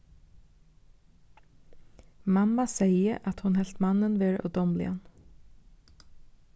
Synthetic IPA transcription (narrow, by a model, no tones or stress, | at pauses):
mɑmɑseɪəʔɑt̪hʊnhɛlt̪mɑnənʋeːɹo̰ːd̪ɔmlɪ̰ɑ̰n